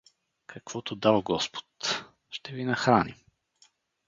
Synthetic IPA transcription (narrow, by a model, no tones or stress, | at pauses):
kʰɐkv̥ɔt̪od̪alˠɡɔspo̥t̪ | ʃt̪ɛvinɐxɾanḭm